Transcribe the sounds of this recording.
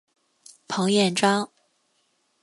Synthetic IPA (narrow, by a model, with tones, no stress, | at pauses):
pʰɤ˧˥ŋjɛ˥˩nʈ͡ʂɑ˥ŋ